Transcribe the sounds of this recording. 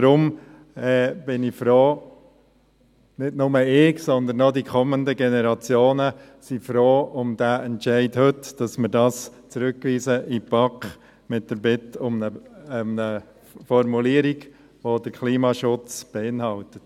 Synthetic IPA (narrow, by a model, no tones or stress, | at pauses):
d̥ɾʊm | ɛːb̥ɪnifɾoː | nɪdnʊməɪːksɔnd̪ənɔdikʰɔməndəɡɛnɛɾɑt͡sjoːnə | sifɾoːʊmd̥aɛntʃɛɪdhɵtd̥ɑsmɪɾdɑːst͡sɾʉkːʋiːzəʔipɑkχ | mɪt̚d̥əɾbɪtʊmnəmnə | fɔɾmuliːəɾiɡ | ʋodəɾkʰliːmɑʃʊt͡sb̥ɛɪnhɑltət